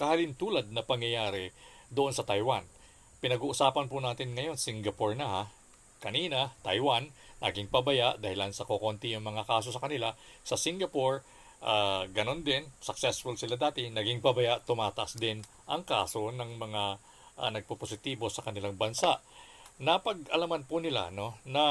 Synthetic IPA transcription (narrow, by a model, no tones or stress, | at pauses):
kɐhɐlɪnt̪uːlɐd̪̚nɐpɐŋjɐjaːɾɛd̪oʔo̞nsɐt̪ɐjwan | pɪnɐɡuːʔʊsaːpɐnpʊnaːt̪ɪnŋɐjo̞nsiŋɡɐpoɹnɐha | kɐniːnɐt̪ɐjwanːɐ̰ɡɪŋpɐbɐjaʔd̪ɐhɪlansɐkoko̞nt̪ɪjʊŋmɐŋakaːs̬o̞sɐkɐnɪlasɐsiŋɡɐpoɹ | ʔaːɡɐno̞nd̪ɪnsɐk̚sɛsfolsɪlad̪aːt̪ɪnɐɡɪŋpɐbɐjaʔt̪ʊmaːt̪ɐʔɐsd̪ɪn | ʔɐ̰ŋkaːso̞nɐŋmɐŋa | ʔanɐɡ̚popos̬ɪt̪iːbo̞sɐkɐnɪlaŋbɐnsaʔnɐpɐɡʔɐlɐmanpʊnɪla̰no̞nɐ